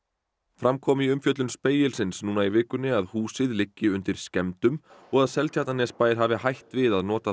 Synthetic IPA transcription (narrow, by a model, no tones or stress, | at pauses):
fɾamkʰɔːmɪiʏmfjœt̪lʏnspeːjɪlsɪnsnuːnaivɪːkʏnːɪaðhuːsɪðlɪcːɪʏnt̪ɪɾ̥scɛmt̪ʏmɔɣaðsɛlt̪ʰjaht̪anɛspaːjðɪɾ̥ɦaːvɪhajht̪vɪðaðnɔːt̪a